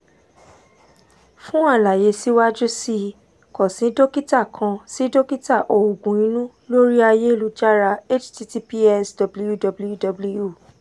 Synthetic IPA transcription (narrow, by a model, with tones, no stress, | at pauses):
fũ˦a˦˨la˨je˨˧si˦wa˦d͡ʒu˦si˦ | kɔ˨sĩ˨˦do˦ki˦ta˦˨kʰã˧si˨˦do˦ki˦ta˦˨ʔo˨u˨ɡũ˨ĩ˨˦nũ˦ | lo˦ɾi˦a˧je˦˨lu˨˧d͡ʒa˦ɾa˧e˦t͡ʃti˧ti˦pi˦ɛ˦sdɔ˧bu˦ju˦˨dɔ˧blju˦dɔ˧bu˦lu˦ju˦˨